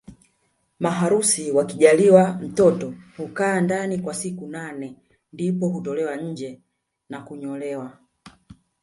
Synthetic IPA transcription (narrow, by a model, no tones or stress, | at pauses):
maɦaɾusiwakiʄaliwam̩tɔtɔhukaːndanikwasikunanɛ | ndipɔhutɔlɛwaɲ̩d͡ʒɛ | nakuɲɔlɛwa